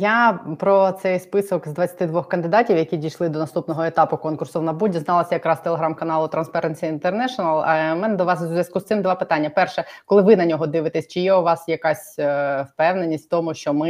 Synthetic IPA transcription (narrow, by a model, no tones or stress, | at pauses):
japɾɔt̪sɛjspɪsɔkzd̪ʋɐt͡sʲːɐt̪ɪd̪ʋɔxkɐnd̪ɪd̪ɑtʲiwjɐkʲidʲijʃlˠɪd̪ɔnɐst̪upnɔɦɔet̪ɑpʊkɔnkʊrsɔʋnɐbudʲːiznɑlˠɐsʲjɐkɾɑst̪eleɦɾɑmkɐnɑlˠʊt̪ɾɐnspɛɾenʲsʲiint̪ernɛʃɔnɐlˠɐmɛnɛd̪ɔʋɑszzʋʲjɐskust̪sɪmd̪ʋɑpɪt̪ɑnʲːɐpɛrʃɛkɔlˠɪʋɪnɐnʲɔɦɔd̪ɪʋɪt̪esʲt͡ʃɪjɛʊʋɑsjɐkɑsʲwpɛwnenʲːistʲft̪ɔmʊʃt͡ʃɔmɪ